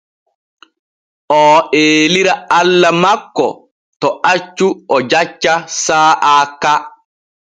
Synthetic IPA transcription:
ʔɔːeːliɾaalːamakːɔ̰ | tɔʔat͡ʃːuɔd͡ʒat͡ʃːasaːʔaːkːa

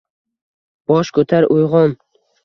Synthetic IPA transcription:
b̥ɒʃkʰɵt̪ʰaɾojʁɒn

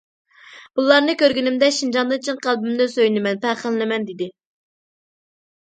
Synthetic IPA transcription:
b̥ulˠɑɾnɨkʲøɾɡʲynɪmd̪ɛʃind͡ʒɑnd̪ɨŋt͡ʃʰinqælˠbymd̪ɪsøjnɪmɛnpæχəllɪmɛnd̪ɪd̪ɪ

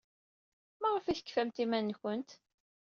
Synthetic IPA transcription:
mæʁəfiθə̥kːfæmt̪imænːçənt̪

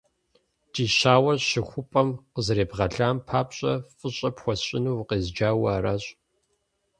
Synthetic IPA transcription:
t͡ʃʼiːɕaːwɐrɕɪxʷʊpʼɐmqəzɾeːbʁɐɮaːmpʰaːpɕʼɐfʼɨɕʼɐpxʷɔɕʼɪnuːwqeːzd͡ʒaːwɐːɾaɕʼ

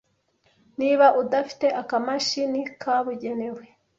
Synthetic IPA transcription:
niːβaʔudafi̥te̞ʔakamaʃinikʰaβuɟe̞newe̞

